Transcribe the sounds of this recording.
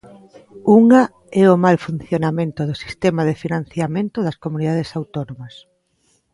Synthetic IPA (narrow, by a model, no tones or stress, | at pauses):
uŋa | ɛomalfun̟θjonamẽnt̪ʊðʊsi̥st̪ɛmɐðefinãn̟θjamẽnt̪ʊðɐskomuniðað̞esawt̪onomɐs